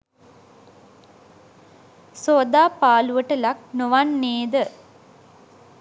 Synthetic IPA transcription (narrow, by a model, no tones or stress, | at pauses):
soːd̪aːpaːluʋəʈəlak̚noʋanːeːd̪ə